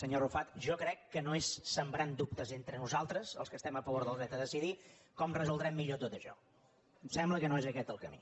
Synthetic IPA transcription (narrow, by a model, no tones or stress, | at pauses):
səɲorufat̪ʒɔkɾɛkːənoesːəmbɾand̪up̚t̪əzent̪ɾənuzalˠt̪ɾəzə̰lˠskəst̪ɛməfəβoɾðəlˠzɛt̪əðəsiðikɔmrəzulˠd̪ɾɛmːiʎot̪ot̪əʃɔ̰ | sɛmbləkənoezəkɛt̪əlˠkəmḭ